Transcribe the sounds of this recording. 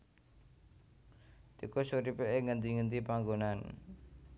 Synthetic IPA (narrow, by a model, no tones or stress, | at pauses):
t̪ikosuɾipeʔeŋənd̪iŋənt̪ipaŋɡonan